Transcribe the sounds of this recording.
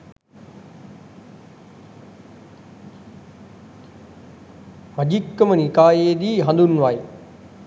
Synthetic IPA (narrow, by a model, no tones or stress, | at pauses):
məd͡ʑikːəmənikaːjeːd̪iːɦand̪unʋaj